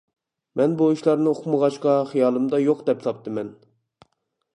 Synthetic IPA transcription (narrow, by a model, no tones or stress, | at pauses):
mɛnbouʃlˠɑɾnɨoqʰməʁɑʃqɑχijɑːlˠɨmd̪ɑjoqd̪ɛpsɑp̚t̪ʰɨmɛn